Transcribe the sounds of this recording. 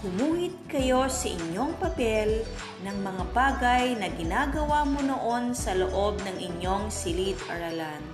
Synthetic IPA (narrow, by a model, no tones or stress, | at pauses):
hʊmuːhɪt̪̚kɐjo̞sɐʔɪ̰ɲːo̞ŋpɐpɛl | nɐŋmɐŋabaːɡɐjnɐɡɪnaːɡɐwaːmonoʔo̞nsɐloʔo̞b̚nɐŋɪɲjo̞ŋsɪlit̪ɐ̰ɾɐlan